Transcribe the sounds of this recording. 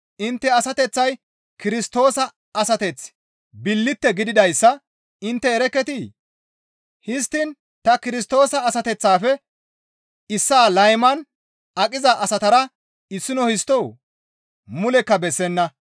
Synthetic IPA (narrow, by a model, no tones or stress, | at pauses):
ʔɪnt̪ːɛɐsɐt̪ɛt͡sːɐj | kɪɾɪst̪o̞ːsɐ | ɐsɐt̪ɛt͡s | bɪlːɪt̪ːɛɡɪd̪ɪd̪ɐjsːɐ | ɪnt̪ːɛːɾɛkːɛt̪i | hɪst̪ːɪn | t̪ɐkɪɾɪs̬t̪o̞ːsɐːsɐt̪ɛt͡sːaːfɛ | ɪsːaːlɐjmɐn | ɐkʼɪzɐʔɐsɐt̪ɐɾɐ | ɪsːɪnɔhɪst̪ːɔw | mʊlɛkːɐbɛsːɛnːɐ